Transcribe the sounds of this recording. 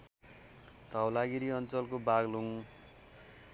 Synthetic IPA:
t̪awlaɡiɾiʌnt͡sʌlkobaɡluŋ

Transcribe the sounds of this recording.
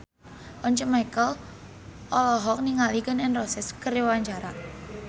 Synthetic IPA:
ʔɔɲt͡ʃəmajkəl | ʔɔlɔɦɔk̚niŋalikənɪnrɔsɛskəɾewaɲd͡ʒaɾa

